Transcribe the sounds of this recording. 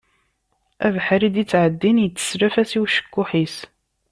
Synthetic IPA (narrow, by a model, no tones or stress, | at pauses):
ævħɾid̪it͡sːʕəd̪ːinjət͡sːə̥sɾæfæsiwʃə̥kːʊħis